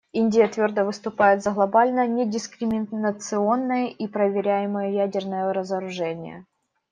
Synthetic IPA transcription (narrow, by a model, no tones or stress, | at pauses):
inʲdʲɪjət̪vʲo̞rd̪əvɨst̪ʊpajɪt̪zəɣlˠɐbalʲnənʲɪdʲɪskɾʲɪmʲɪnət̪sɨo̞nːəjəʔipɾəvʲɪɾʲæjɪməjəjædʲɪrnəjəɾəzəɾʊʐɛnʲɪ̰jə̰